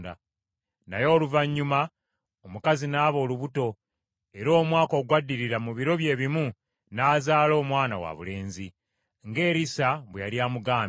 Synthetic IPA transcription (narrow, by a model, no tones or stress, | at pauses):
da̰ | najo̞ːluvaɲːuma | omukazinaːβo̞ːluβuto̞ | e̞ɾo̞ːmwaːko̞ːɡwadːiɾiɾamuβiɾo̞βje̞ːβimu | naːzaːlo̞ːmwaːna̰wa̰βṵle̞ːnzi | ŋɡe̞ːɾisaβwejaljaːmuɡaːm